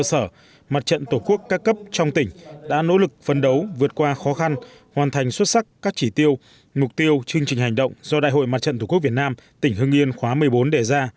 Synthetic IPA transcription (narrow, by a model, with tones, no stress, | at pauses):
ə˧səː˧˩ | ma˨˩t̚t͡ɕə̰˧˨nt̪o˧˩ku˦˥əkːaː˦˥kːə˦˥p̚t͡ɕɔ˧wŋ͡mt̪ï˧˩ŋ̟ɗa̰ː˧˥no̰˧˥lɨ˨˩k̚fə˧nɗə˨˦wvɨ˨˩ət̚kwaː˧xɔ˨˦xa˧n | hwaː˨˩nt̪ʰa˨˩jŋ̟swə˦˥t̚sa˦˥kkaː˦˥k̚t͡ɕi˧˩t̪i˧əw | mʊ˨˩k͡p̚t̪i˧əwt͡ɕɨ˧əŋt͡ɕï˨˩ŋ̟ɦa˨˩ŋ̟ɗə̰˧˨wŋ͡mzɔ˧a̰ː˧˨jɦo̰˧˨jma˨˩t̚t͡ɕə̰˧˨nt̪ʰːku˦˥k̚vt̚naː˧mt̪ï˧˩ŋ̟hɨ˧əŋʔi˧ənxwaː˨˦mɨ˨˩əjɓo˨˦nɗe˧˩zaː˧